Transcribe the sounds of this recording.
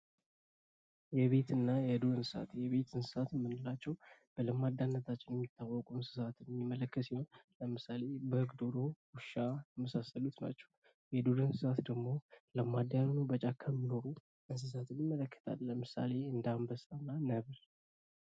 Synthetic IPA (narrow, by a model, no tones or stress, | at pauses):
jɛβe̞t̪ɨnːajɛd̪od̪ɨnsɨsa̰t̪jɛβe̞t̪ʰɨnsɨ̥sat̪jɛmːɨnːɨlat͡ʃːɛwb̥ələmad̪ːanːət̪ʰat͡ʃːɪnjɛmːit̪ʰːawːɔkʼuɨnsɨ̥sat̪nmːimːələkːət̪siho̞nləmɨsale̞bəhɨɡd̪o̞d̪o̞wuʃajɛməsasəlut̪na̰t͡ʃːɛ̥w | jɛd̪oɾɨnsɨsat̪d̪əɡmo̞ləmad̪jannubət͡ʃʼakʰəmːino̞ɾu | ʔɨns̬ɨs̬at̪ʰɨnɪmːələkːə̥t̪ʰa̰lːəmɨsa̰le̞ɨnd̪ambəsanːanəβl